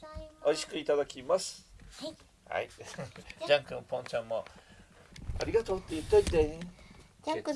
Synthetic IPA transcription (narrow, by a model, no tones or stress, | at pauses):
oiɕi̥kɯ̟it̪ad̪akʲimasɨ̥ | ha̰i | d͡ʑãŋkɯpõ̞nɲt͡ɕãmːo | a̰ɾʲiɡat̪o̞ːt̪ːejɯt̪ːed̪e